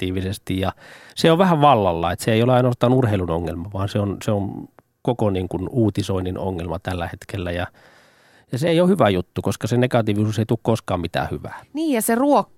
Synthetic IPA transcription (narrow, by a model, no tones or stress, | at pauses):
iːʋisest̪ijjɑseoʋʋæhæʋʋɑlːɑlːɑ̰et̪seeˑijoleɑinoɑst̪ɑːnurheilunoŋːḛlmɑʋɑːnseonseon | kokoniːŋkunuːt̪isoinːino̰ŋːelmɑt̪ælːæhet̪kelːæjɑ | jɑseeˑijohyʋæjut̪ːukoskɑsenekɑt̪iːʋisuːseit̪ukkoskɑːmit̪æ̰ːhyʋæ̰ːniːjjɑseruokː